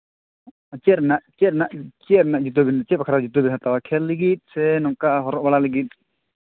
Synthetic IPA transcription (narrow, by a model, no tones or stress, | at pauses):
t͡ʃɛɾnaʔt͡ʃɛɾnaʔt͡ʃɛɾnaʔd͡ʒut̪obint͡ʃɛp̚kʰaɾad͡ʒut̪obinɦat̪awakʰɛlːiɡit̪̚ˀsɛnɔŋkaʔɦɔɾɔʔbalaliɡit̪̚